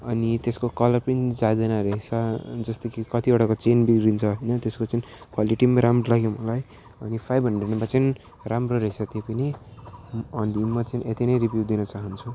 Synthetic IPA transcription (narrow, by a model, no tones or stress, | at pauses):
ʌnit̪eskokʌlʌrpʌnid͡zad̪ʌnaɾʌɦet͡sʰʌd͡zʌst̪okikʌt̪ioɽakot͡senbikɾint͡sʰʌɦʌjnʌt̪eskot͡sʌinkwaliʈimaɾamrolaɡemʌlaj | ʌnipʰajbʱɦʌɳɖrenbat͡sʌn | ramroɾʌɦet͡sʰʌt̪jepʌni | ʌnd̪ʱimːat͡sanet̪inʌjɾibjuwd̪inʌt͡saɦʌnt͡sʰu